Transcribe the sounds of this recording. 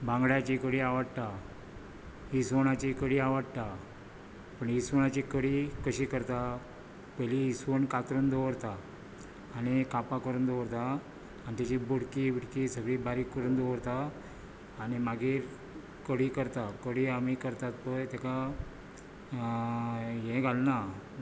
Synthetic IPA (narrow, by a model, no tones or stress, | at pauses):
bãŋɡɽjat͡ɕikəɽiːaʋəɽa | isʋəɳ̃at͡ɕikəɽiːaʋəɽt̪a | pəɳisʋəɳ̃at͡ɕikəɽiːkəɕikəɾt̪a | pɛliːsʋəɳkat̪ɾənd̪oʋəɾt̪aː | nikapakəɾund̪oʋəɾt̪aː | nit̪at͡ɕibuɽkibəɽkisəɡɭiːbaɾiːkːəɾuːnd̪oʋəɾt̪aː | nimaɡʱiːɾ | kəɽiːkəɾt̪akəɽiːamikəɾt̪at̪pəjt̪ɛka | jɛ̃ɡʱalna